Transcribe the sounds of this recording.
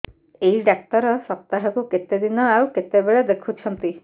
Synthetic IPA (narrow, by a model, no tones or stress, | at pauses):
eɦiɖak̚ʈɔɾɔsɔp̚t̪aɦɔkuket̪ed̪inɔawket̪ebeɭed̪ekʰut͡ʃʰɔnt̪i